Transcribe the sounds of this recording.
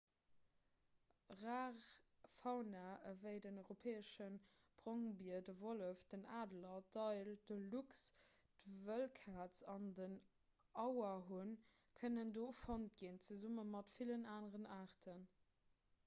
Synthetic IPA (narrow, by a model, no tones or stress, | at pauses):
ʁaːʁfɑʊnaəvəɪdənɔɪʁopʰɛːəʃən | b̥ʁoŋbiɐdəvoləfd̥ənaːdlɐdɑɪld̥əluks | d̥əvəlkʰaːt͡sɑndən | ɑʊɐɦun | kʰənəndoːfɑnt̚ɡint͡səzumənmɑtfilənaːnəʁənaːʁtʰən